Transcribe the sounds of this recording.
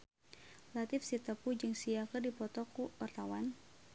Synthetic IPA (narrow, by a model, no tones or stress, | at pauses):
lat̪ɪfsit̪əpud͡ʒɨŋsiakərdipɔt̪ɔkuɔrt̪awan